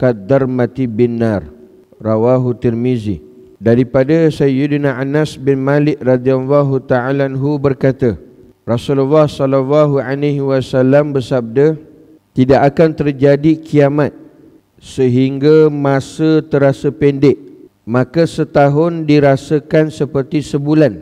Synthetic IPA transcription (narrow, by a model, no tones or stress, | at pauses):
kad̪armãt̪ibinːarː | awaɦut̪irmizi | daɾipadasajudnaʔanasbɪnmalɪʔ̚rad̪ialːaɦut̪aalaanɦubərkat̪ə | rasululːahsɔləlaɦualeɦiwasalambərsap̚də | t̪idaʔakant̪ərd͡ʒadikʰiamat̪̚ | səɦiŋɡamãsət̪əɾasəpɛndɪʔ | mãkasət̪aɦʊndiɾasəkansəpərt̪isəbulan